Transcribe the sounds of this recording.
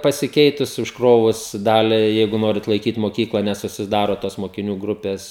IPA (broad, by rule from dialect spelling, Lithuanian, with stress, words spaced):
pɐsʲɪˈkʲɛɪtʊs ʊʃˈkroːʋʊs ˈdɑːlʲɛɪ ˈjɛɪɡʊ ˈnoːrʲɪt lˠɐɪˈkʲiːt moːˈkʲiːklˠɐ nʲɛsʊsʲɪˈdɑːroː toːs moːkʲɪˈnʲuː ˈɡrʊpʲeːs